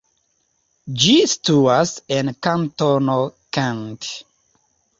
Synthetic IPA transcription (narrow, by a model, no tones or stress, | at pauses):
d͡ʒistuasɛ̃nkãntɔnokãnt